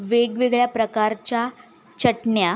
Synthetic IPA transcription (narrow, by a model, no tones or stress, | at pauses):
ʋeɡʋeɡɭjapɾəkaɾt͡ɕja | t͡ɕəʈɳja